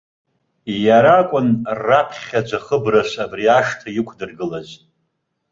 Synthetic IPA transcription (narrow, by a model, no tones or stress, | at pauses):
jaɾakʷʼʊnrapʰχʲad͡ʒʷʰaχəbrasʷabriaʂtʰajɪkʷʰdɨrɡɨlazʼ